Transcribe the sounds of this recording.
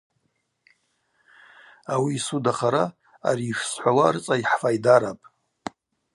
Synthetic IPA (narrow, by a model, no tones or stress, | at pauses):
awiːsudaχaɾa | a̰ɾiːʃsħʷawarɨt͡sʼaiħfajdaɾapʼ